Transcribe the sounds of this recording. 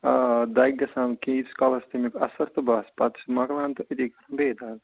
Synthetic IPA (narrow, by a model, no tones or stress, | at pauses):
d̪ɐjɡɐsãːnkiːt̪skɐlɐst̪imikɐsɐɾt̪ɨbaːspɐt̪smɐɡlaːnt̪ɨʔɐt̪iːkɐɾɐmbeːd̪aːl